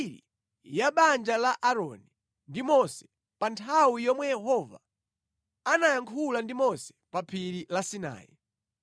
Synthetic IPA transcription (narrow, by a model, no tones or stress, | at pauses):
ɾḭ | jaɓand͡ʒalaʔaɾɔni | ndimɔsɛ̥ | pantʰawijɔmwɛjɛɦɔva̰ | anajaŋkʰulandimɔsɛ̥papʰiɾilasina̰ːjɛ̰